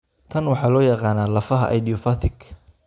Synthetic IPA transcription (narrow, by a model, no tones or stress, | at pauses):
t̪ʰɐnwɑħɑːlɔːjɐqɑːnaːlɐfɐɦɐ̰ʔɐ̰jdijɔfat̪ʰɪkʰ